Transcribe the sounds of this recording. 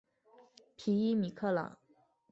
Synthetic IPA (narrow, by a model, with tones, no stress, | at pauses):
pʰi˧˥i˥mi˨˩kʰɤ˥˩lɑ̰˨˩˦ŋ